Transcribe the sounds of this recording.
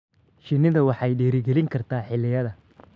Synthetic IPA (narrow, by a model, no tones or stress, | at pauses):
ʃɪnɪðɐwɑħɑjɖɛːɾɪɡɛlɪŋkʰɐrt̪ʰaːħɪlːɪjɐðɐ